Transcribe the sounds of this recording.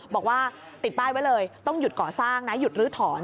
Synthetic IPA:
bɔː˨˩k̚waː˥˩ | t̪i˨˩baː˥˩jwa˦˥jlɤː˧jt̪ɔ˥˩ŋju˨˩t̪̚kɔː˨˩saː˥˩ŋna˦˥ju˨˩t̪̚ɾɯː˨˦˥t̪ʰɔː˩˦n

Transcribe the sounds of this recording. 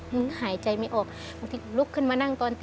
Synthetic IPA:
ɯ˧˦haː˨˦jt͡ɕa˧jma˧jʔɔː˨˩k̚ | ba˧ŋt̪ʰi˧lo˧˥kʰːɯ˧˥˨nmaː˧na˧˩˨ŋt̪ɔː˧nt̪

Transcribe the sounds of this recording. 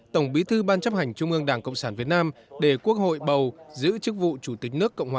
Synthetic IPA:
t̪ə˧˩wŋ͡mɓi˨˦t̪ʰɨ˧ɓaː˧nt͡ɕa˦˥p̚ha˨˩jŋ̟t͡ɕʊ˧ŋ͡mʔɨ˧əŋɗaː˧˩ŋkə̰˧˨wŋ͡msaː˧˩nvi˨˩ət̚naː˧mɗe˧˩ku˦˥ək̚ho̰˧˨jɓə˨˩wzɨ̰˧˥t͡ɕɨ˦˥k̚vṵ˧˨t͡ɕu˧˩t̪ï˨˩k̟̚nɨ˦˥əkːə̰˧˨wŋ͡mhwː

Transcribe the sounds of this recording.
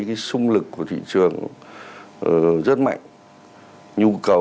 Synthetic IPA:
kaː˨˦jsʊ˧ŋ͡mlɨ˨˩kːu˧˩ət̪ʰḭ˧˨t͡ɕɨ˨˩əŋ | ə˨˩zə˦˥t̚ma̰˧˨jŋ | ɲu˧kə˨˩w

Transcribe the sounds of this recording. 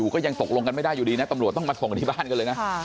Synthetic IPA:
uː˨˩kɔː˨˥˩ja˧ŋt̪o˨˩k̚lu˧ŋka˧nma˧˥jɗaː˥˩juː˨˩ɗiː˧na˨˦˥t̪a˧mu˨˩t̪̚tɔ˥˩ŋma˧˩sʰo˨˩ŋ˨˧˩iː˧˩ɓaː˥˩˨nkaː˧ləː˧jna˦

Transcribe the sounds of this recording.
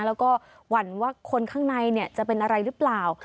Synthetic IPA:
lɛː˦˥wkɔː˥˩ | wa˩˦nwaː˥˩kʰo˧nkʰaː˥˩ŋna˧jni˥˩ət͡ɕa˨˩ʔpe˧nʔa˧ɾa˧jɾɯ˦˥plaː˨˩w

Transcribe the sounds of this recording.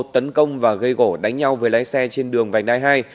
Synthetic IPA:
t̚t̪ə˨˦nkə˧wŋ͡mvaː˨˩ɣə˧jɣo˧˩ɗa˨˦jŋ̟ɲa˧wvəː˨˦jlaː˨˦jsɛ˧t͡ɕe˧nɗɨ˨˩əŋva˨˩jŋ̟ɗaː˧˦jɦaː˧j

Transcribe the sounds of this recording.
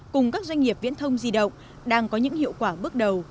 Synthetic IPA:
kʊ˨˩ŋ͡mkaː˦˥k̚zwa˧jŋ̟ŋi˨˩əp̚vḭ˧˥nt̪ʰə˧wŋ͡mzi˧ɗə̰˧˨wŋ͡m | ɗaː˧ŋkɔ˨˦ɲɨ̰˧˥ŋhḭ˧˨wkwaː˧˩ɓɨ˦˥ək̚ɗə˨˩w

